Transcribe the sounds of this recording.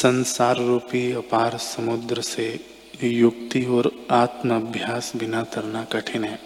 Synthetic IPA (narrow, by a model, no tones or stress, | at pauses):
sɐ̃nsaːɾːuːpiɐpaːɾsɐmʊd̪ɾəse | jʊk̚t̪iɔːɾaːt̪məɐbʱjaːsbɪnat̪ɐɾnakɐʈʰɪnɦɛ̃ː